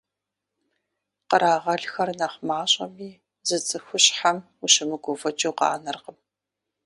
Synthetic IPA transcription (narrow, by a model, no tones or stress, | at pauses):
qəɾaːʁɐɮxɐrnɐχʷmaːɕʼɐmiː | zɨt͡sʼɨxʷʊɕħam | uɕɪmɨɡʷofɐt͡ʃʼoqɑa̰ːnɐrqəm